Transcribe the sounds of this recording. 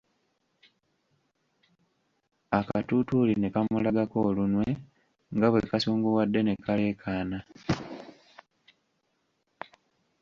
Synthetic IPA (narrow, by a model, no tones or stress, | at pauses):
akatutuline̞kamulaɡako̞ːlunwe̞ | ŋɡaβwekasuːŋɡuwadːe̞ne̞kale̞ːkʰaːna